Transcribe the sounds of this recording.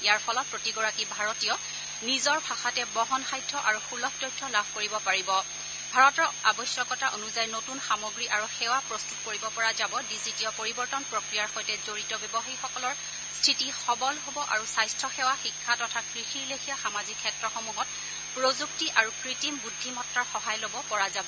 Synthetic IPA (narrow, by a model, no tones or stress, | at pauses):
ijaɹpʰɔlɔt̚pɹotiɡɔɹakibʱaɹɔtijɔ | nizɔɹbʱaxatɛbɔɦɔnxajdʰʱːɔʔaɹuxulɔk̚tɔjtʰːɔlabʱkoɹibɔpaɹibɔ | bʱaɹɔtɔɹa̰bɔsjɔkɔtaʔonuzajnotunxamɔɡɹiʔaɹuxɛwapɹɔstutkoɹibɔpɔɹazabɔdizitiɔpoɹibɔɹtɔnpɹokɹijaɹxɔjtɛzoɹitɔbɛbɔxaixɔkɔlɔɹ | stʰitixɔbɔlɦobɔʔa̰ɹusajstʰɔxɛwaxikʰːatɔtʰakɹixiɹlekʰijaxamazikʰːɛtɹɔxomuɦɔt̚ | pɹozuktiʔaɹukɹitimbudʱːimɔtɹaɹxɔɦajlobɔpɔɹazabɔ